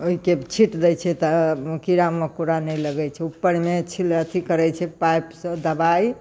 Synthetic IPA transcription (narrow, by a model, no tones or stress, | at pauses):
oɦiket͡ʃʰiʈd̪ɛjt͡ʃʰɛt̪əkiɾamekuɾanɛləɡɛt͡ʃʰɛupːəɽmet͡ʃʰilət̪ʰikəɾɛt͡ʃʰɛpajpsə̃d̪əbaj